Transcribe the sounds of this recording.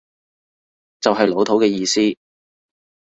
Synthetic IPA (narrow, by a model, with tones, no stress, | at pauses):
t͡sɐ˨wɦɐ˨jlo˨˧wt̪ʰo˨˥wkɛː˧jiː˧siː˥